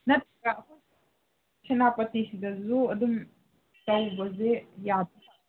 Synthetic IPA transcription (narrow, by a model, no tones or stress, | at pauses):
nɐt̪̚ʰɾɐkaɐkʰu | sʰenapɐtisidɐzuɐdum | sawbɐzejad̚